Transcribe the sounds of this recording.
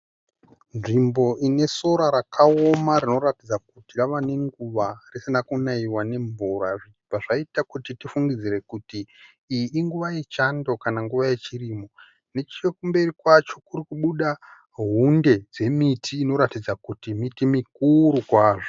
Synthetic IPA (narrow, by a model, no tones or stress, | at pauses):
nʐimbo̞ʔine̞so̞ɾaɾakʰaomaɾino̞ɾatid͡zakutiraʋane̞ŋɡuʋarisinakunaiwane̞ɱvuɾaʐit͡ʃipaʐaitakutitifuŋɡid͡zire̞kutiː | ŋɡuʋaje̞t͡ʃando̞kanaŋɡuʋaje̞t͡ʃiriːmo | ne̞t͡ʃiekumbe̞rikwat͡ʃo̞kuɾikuɓuɗa | ɦunde̞d͡ze̞mitʰiːno̞ɾatid͡zakutimitimikuɾukwaːʐo